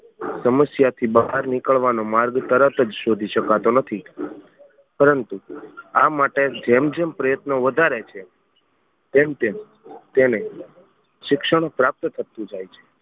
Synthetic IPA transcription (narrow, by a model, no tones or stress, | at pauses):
səməsjat̪ʰibəɦaɾnikəɭʋanomaɾɡt̪əɾət̪əd͡ʒʃod̪ʱiʃəkat̪onət̪ʰi | pəɾənt̪uamaʈed͡ʒemd͡ʒempɾəjət̪noʋəd̪ʱaɾet͡ʃʰe | t̪emt̪em | t̪ene | ʃɪkʃəɳ̃pɾap̚t̪t̪ʰət̪ũd͡ʒajt͡ʃʰe̥